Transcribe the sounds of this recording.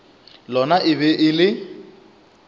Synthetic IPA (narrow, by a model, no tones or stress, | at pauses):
lɔnaʔɪβɛʔɪlɪ